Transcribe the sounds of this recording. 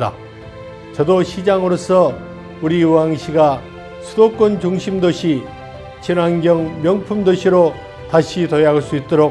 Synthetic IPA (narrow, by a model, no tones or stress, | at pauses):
da̰ | t͡ɕʌdoɕʰid͡ʑaŋɯɾosʰʌ | uɾiwaŋɕʰiɡa | sʰudok͈ont͡ɕuŋɕʰimdoɕʰi | t͡ɕʰinwanɡjʌŋmjʌŋpʰumdoɕʰiɾo | taɕʰitʌjaaɯɭs͈uit̚t͈oɾo